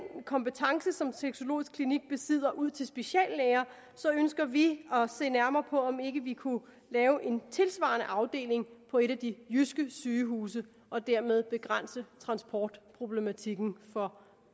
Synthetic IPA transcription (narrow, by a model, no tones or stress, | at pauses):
nkʰɒ̽mpət͡sʰɑ̈ŋsəsɒ̽mseɡ̥so̝lo̝̰ːisɡ̥kʰliniɡ̥̚b̥e̝sið̞̰ˠɐʔuð̰ˠt͡sʰe̝lsb̥e̝ɕɛ̰ːlːeːɐ | sɒ̽ønsɡ̥ɐʋiɒ̽se̝̰ːnæɐmɐːpʰɒ̽ɒ̽me̝ɡ̥əʋikʰu | lɛːʊʔe̝nt͡sʰe̝lsʋɑ̰̈nəʔɑ̈ʊd̥e̝̰ːle̝ŋpʰɒ̽e̝ɾæd̥ijysɡ̥əsyːɦuːs̬ə | ʔɒ̽d̥æɐ̰með̞ˠb̥e̝ɡ̥ʁan̰sət͡sʰʁɑ̈nsb̥ʰɒːd̥pʰʁo̝b̥le̝mæt͡sʰiɡ̥n̩fɒ̽